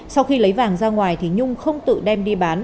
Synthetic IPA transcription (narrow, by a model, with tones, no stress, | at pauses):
sa˧wxi˧lə˨˦jvaː˨˩ŋzaː˧ŋwaː˨˩jt̪ʰi˨˩ɲʊ˧ŋ͡mxə˧wŋ͡mt̪ɨ̰˧˨ɗɛ˧mɗi˧ɓaː˨˦n